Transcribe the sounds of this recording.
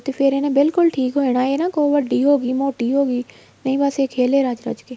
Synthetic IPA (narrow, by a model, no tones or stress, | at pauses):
t̪eːpʰɪɾenẽːbɪlkʊlʈʰiːkɦoːiɽaːeːnãːkoːʋəɖiːɦoːɡiːmoːʈiːɦoːɡiː | nəĩːbaːseːkʰeːleːɾad͡ʒɾə̰d͡ʒkeː